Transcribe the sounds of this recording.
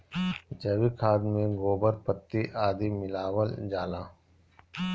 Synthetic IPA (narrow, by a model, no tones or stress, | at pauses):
d͡ʒɐwikʰaːd̪mẽɡoːbəɾpət̪ːiʔaːd̪imɪlaːwəld͡ʒaːlaː